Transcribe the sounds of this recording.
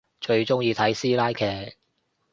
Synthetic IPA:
t͡ʃɵ˧ɥt͡sʊ˥ŋjiː˧t̪ʰɐ˨˥jsiː˥laː˥jkʰɛː˨˩k̚

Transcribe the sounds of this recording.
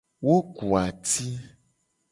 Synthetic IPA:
wo˦ku˨a˨t̪i˦

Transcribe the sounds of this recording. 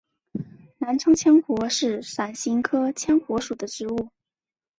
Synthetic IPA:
na˧˥nʈ͡ʂʰɤ˥ŋt͡ɕʰjɛ˥nxwɔ˧˥ʂɻ̩˥˩ʂa˨˩nɕi˧˥ŋkʰɤ˥t͡ɕʰjɛ˥nxwɔ˧˥ʂu˨˩d̪ə˦ʈ͡ʂɻ̩˧˥u˥˩

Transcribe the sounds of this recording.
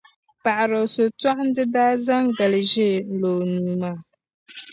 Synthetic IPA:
pa˨ʔa˨ɾo˨so˨tɔ˦ʔn˦dɨ˦daː˦za˦ŋɡa˨lʒe˦n̩˨lo˨nuː˨maː˦˨

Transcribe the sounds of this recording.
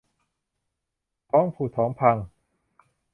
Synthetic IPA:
t̪ʰɔː˦˥ŋpʰuː˨˩t̪ʰɔː˩˦mpʰa˧ŋ

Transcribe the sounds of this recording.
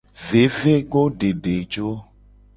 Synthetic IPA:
ve˨ve˦ɡo˦ɖe˨ɖe˨d͡ʒo˦

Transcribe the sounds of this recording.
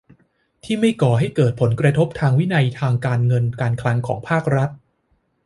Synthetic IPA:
t̪ʰiː˥˩ma˥˩jkɔː˨˩ɦa˥˩jkɤː˨˩t̪̚pʰo˩˦nkɾa˧t̪ʰo˦˥p̚t̪ʰaː˧ŋwi˦˥na˧jt̪ʰaː˧ŋkaː˧nŋɤ˧nkaː˧nkʰlaː˧ŋkʰɔ̰ː˩˦ŋpʰaː˥˩k̚ɾa˦˥t̪̚

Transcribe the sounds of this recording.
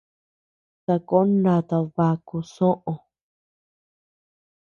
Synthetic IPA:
t̪a˧ko˦nã˧t̪a˧βa˧ku˧sõ˦ʔõ˧

